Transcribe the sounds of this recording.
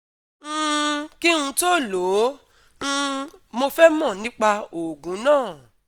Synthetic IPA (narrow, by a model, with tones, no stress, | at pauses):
ki˦ũ˧to˦˨lõ˨˦˧ | mo˧fɛ˦mɔ̃˦˨nĩ˦k͡pa˧o˨ɡũ˨˦nãː˦˨